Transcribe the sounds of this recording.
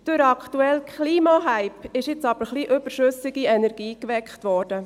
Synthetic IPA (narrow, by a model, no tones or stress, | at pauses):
d̥øɾɑkχtuɛlkʰχliːmɑɦæɪpɪʃɪt͡sɑb̥əɾχliʔøb̥əɾʃøsɪɡiɛnɛɾɡ̥iːkʋɛkχtʋɔːɾd̥ə